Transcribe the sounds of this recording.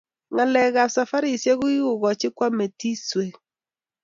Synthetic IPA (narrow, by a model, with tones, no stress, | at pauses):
ŋa˨lɛ˨ɣa˨sa˨fa˦ɾi˨sje˦ɣʊ˦i˦ʊ˨ɣɔ˨t͡ʃɪ˦kwa˦me˨ti˦swe˨